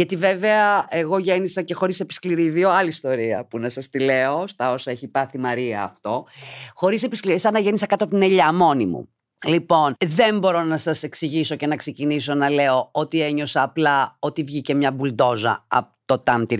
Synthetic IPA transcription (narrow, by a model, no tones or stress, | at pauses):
ʝɐt̪ive̞ve̞ɐeɣo̞ʝe̞nisɐce̞xo̞ɾise̞pi̥skliɾiðio̞ɐlist̪o̞ɾiɐ̰punɐsɐst̪ile̞o̞st̪ɐo̞sɐe̞çipɐθimɐɾiɐːft̪o̞xo̞ɾise̞piskliɾisɐnɐʝe̞nisɐkɐt̪oɐp̬ot̪ineʎɐmo̞nimṵ | lipo̞nðe̞mbo̞ɾo̞nɐsɐse̞ksiʝiso̞ce̞nɐkse̞ciniso̞nɐle̞o̞ot̪ieɲo̞sɐːplɐo̞t̪ivʝice̞mɲɐbuld̪o̞zɐ̰ɐ̰pot̪o̞t̪ɐmt̪iɾ